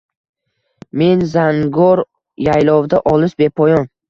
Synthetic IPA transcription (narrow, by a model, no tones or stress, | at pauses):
me̞nzaŋɡɒɾ | jajlˠɒwd̪aʔɒlˠɪʃbe̞pʰɒjɒn